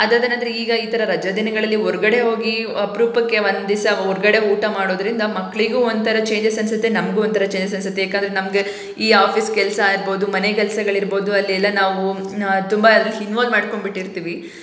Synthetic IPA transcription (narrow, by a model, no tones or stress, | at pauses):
ɐd̪aːd̪enɐnd̪ɐɾeiːɡɐiːt̪ɐɾɐɾɐd͡ʒɐd̪inɐɡɐɭɐlːiɔɾɐɡɐɽe̞ɦo̞ːɡi | ɐpɾuːpɐkːeʋɐnd̪isiɔɾɐɡɐɽe̞uːʈɐmaːɽo̞ːd̪ɐɾind̪ɐmɐkːɐɭiɡuːont̪ʰɐɾɐt͡ʃe̞ːɲd͡ʒesɐnsɐt̪ːenɐmɡuːont̪ʰɐɾɐt͡ʃeːɲd͡ʒes̬ɐnsɐt̪ːejaːkand̪ɐɾenɐmɡe | iːaːpʰiːskɛlɐsɐiɾbo̞ːd̪umɐnekɛlɐsɐɡɐɭiɾbo̞ːd̪uɐlːiɛlːɐnaːʋut̪umbɐɐd̪ɐlːiɦinʋaːld̪maːɖko̞ɳbiʈːiɾt̪iːʋi